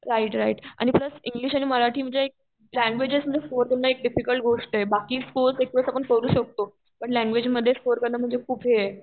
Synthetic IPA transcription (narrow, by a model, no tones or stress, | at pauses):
ɾaiʈɾaiʈa̰ɽ̃ipləsiŋɡliːɕaɽ̃iməɾaʈʰiːm̤əɳd͡zeek̚ | læ̃ŋɡʋed͡ʑesm̤əɳd͡zefoɾkəɾnaek̚ɖifikəlʈ̚ɡʱoʂʈɦebakiːsfoɾsek̚ʋəsapəɳkəɾuːɕək̚t̪o | pəɳlæ̃ŋɡʋed͡ʑməd̪ʱːjesfoɾkəɾnam̤əɳd͡zekʰuːbʱɦe